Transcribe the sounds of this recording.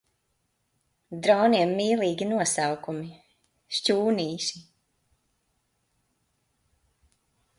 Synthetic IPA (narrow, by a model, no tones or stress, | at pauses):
d̪ɾɔːniɛmːiːlˠiːɡʲinuɔsawkumi | ʃt͡ʃuːniːʃi